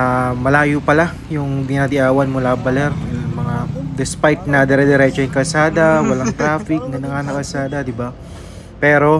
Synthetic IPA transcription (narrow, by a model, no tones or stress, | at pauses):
amɐlaːjʊpɐla | jʊŋbɪnaːd̪ɪʔaːwɐnmʊlabɐlɛɾmɐŋad̪ɛspajt̪̚nɐd̪ɛɾɛd̪ɛɾɛt͡ʃoɪŋkɐlsaːd̪ɐwɐlaŋt̪ɾaːfɪk̚nɐnɐŋanɐkɐlsaːd̪ɐd̪ɪba | pɛːɾo̞